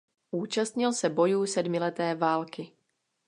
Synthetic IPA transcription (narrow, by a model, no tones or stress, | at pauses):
ʔuːt͡ʃast̪ɲɪlsɛbo̞juːsɛdmɪlɛt̪ɛːvaːlkɪ